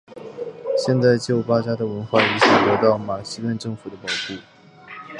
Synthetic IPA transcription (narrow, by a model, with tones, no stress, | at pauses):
ɕjɛ˥˧nt͡sa˥˧ɪt͡ɕjo˥˩ʊpa˥t͡ɕja˥d̪ə˨wə˧˥nxwa˥˩i˧˩ɕi˥˩kwɔ˧˥t̪ɑ˥˩ʊma˨˩ɕi˥t̪wə˥˧nʈ͡ʂɤ˥˩ŋfu˨˩d̪ə˦pɑ˨˩ʊxu˥˩